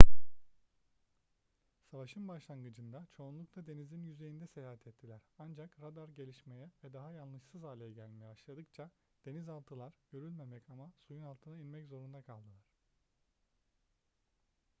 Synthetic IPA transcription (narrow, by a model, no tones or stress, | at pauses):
savaʃɯnbaʃlˠaŋɡɯd͡ʒɯnd̪at͡ʃʰo̞ːnlˠukt̪ˠad̪e̞nizinjyze̞jind̪ɛsejaːɦɛt̪ʰɛt̪ʰːilʲæɾ̥and͡ʒakɾad̪aɾɟe̞lʲiʃme̞jɛvɛd̪aɦajalnlˠɯʃsɯzaːlʲejɛɟælʲmejɛbaʃlˠad̪ɯk̚t͡ʃʰa | d̪̥e̞nizalˠt̪ʰɯlˠaɾɟ̥ø̞ɾylʲme̞mɛcamasujunalˠt̪ʰɯnainmɛczo̞ɾund̪akʰalˠd̪ɯlˠaɾ̝̥